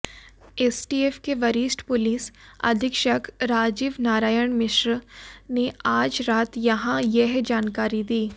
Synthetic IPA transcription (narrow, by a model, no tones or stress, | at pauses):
eːsʈiːeːfkeʋɐɾiːsʈpʊliːsɐ̰d̪ʱɪkʃəkɾaːd͡ʒɪʋnaːɾaːjəɳ̃mɪʃɾneaːd͡ʒɾaːt̪jɐɦãjɛɦd͡ʒaːnkaːɾid̪iː